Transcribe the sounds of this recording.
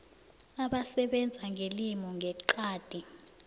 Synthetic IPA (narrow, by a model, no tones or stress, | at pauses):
aɓasɛɓɛnd͡zʱaŋʱelimɔŋʱɛǃaːd̥ʱi